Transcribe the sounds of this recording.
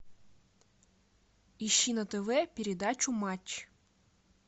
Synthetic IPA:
iʃːinɐt̪eʋɛpʲiɾʲed̪ɑt͡ʃʊmɑtʲː

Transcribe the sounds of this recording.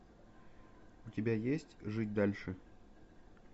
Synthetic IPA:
ʊtʲɪbʲajesʲtʲʐɨt̚ʲd̪alʲʂɨ

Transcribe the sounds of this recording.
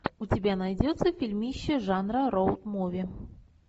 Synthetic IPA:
ʊtʲɪbʲanajdʲot̪səfʲilʲmʲiɕːɪʐanɾəɾowt̪movʲɪ

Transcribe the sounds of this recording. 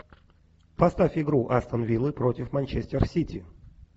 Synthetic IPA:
pɐst̪afʲɪɡɾuʔast̪ənvʲilˠɨpɾotʲɪfmɐnʲt͡ɕesʲtʲɪrsʲitʲi

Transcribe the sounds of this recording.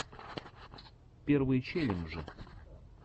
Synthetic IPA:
pʲervɨjt͡ɕelʲɪmʐɨ

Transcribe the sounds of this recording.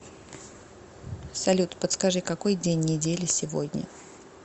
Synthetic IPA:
sɐlʲut̪pət̪skɐʐɨkɐko̞jdʲenʲːɪdʲelʲɪsʲɪvo̰dʲnʲə̰

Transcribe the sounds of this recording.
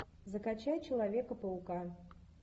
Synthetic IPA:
zɐkat͡ɕajt͡ɕɪlˠavʲekəpəuka

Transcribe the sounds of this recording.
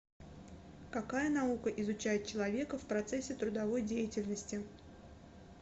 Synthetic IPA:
kɐkajənɐukəʔɪzʊt͡ɕæjɪt̪̚t͡ɕɪlˠɐvʲe̞kəfpɾɐt̪sɛsʲːɪt̪ɾʊd̪ɐvo̞jdʲejɪtʲɪlʲnəsʲtʲɪ

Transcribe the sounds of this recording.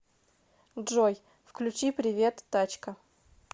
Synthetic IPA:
ʐoj | fklʲʉt͡ɕipɾʲɪvʲe̞t̪ːat͡ɕkə

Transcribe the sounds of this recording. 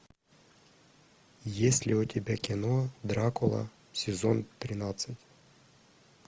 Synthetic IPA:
jesʲlʲɪʊtʲɪbʲakʲɪnod̪ɾakʊlˠə̰ | sʲɪzont̪ɾʲɪnat̪sɨtʲ

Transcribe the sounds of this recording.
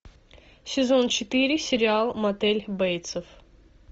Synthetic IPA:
sʲɪzo̞nt͡ɕɪt̪ɨɾʲɪsʲɪɾʲɪalˠmɐt̪ɛlʲbɛjt̪səf

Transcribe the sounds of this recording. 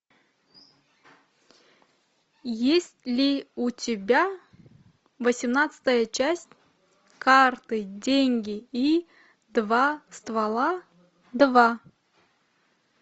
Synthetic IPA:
jesʲtʲlʲiutʲɪbʲæ | vəsʲimnat̪sɨ̥t̪əjət͡ʃʰæsʲtʲ | kʰart̪ɨdʲeŋʲɡʲii | d̪vast̪valˠa | d̪va

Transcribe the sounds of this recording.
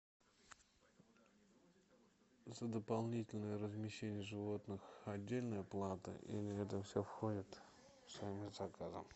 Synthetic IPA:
zəd̪əpalˠnʲitʲɪlʲnəjəɾəzmʲɪɕːenʲɪjəʐɨvo̞t̪nɨxɐdʲːelʲnəjəplˠat̪ə̰ʔḭlʲɪɛt̪̬əfsʲofxodʲɪt̪ | fsaimɪzɐkazə̰m

